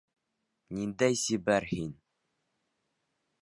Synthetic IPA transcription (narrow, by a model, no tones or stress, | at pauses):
nind̪æjsibæɾhin